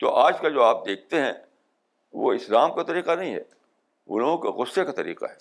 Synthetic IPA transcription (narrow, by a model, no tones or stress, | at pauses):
t̪o̰ːʔaːd͡ʒkad͡ʒoːaːp̚d̪eːk̚ʰt̪eɦɛ̰̃ | ʋo̰ɪslaːmkat̪ɐɾiːqanɐɦĩɦɛ̰ː | ʊ̰lõkɣʊsːekat̪ɐɾḭːqa̰ɦɛː